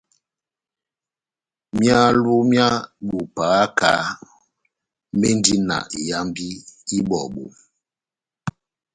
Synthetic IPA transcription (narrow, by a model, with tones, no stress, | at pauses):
mja˦lu˦mja˦ɗu˨pa˨a˦ka˨˦ | me˦n˦di˦na̰˨ja˦mbi˦i˦bɔ˨ɓo̰˨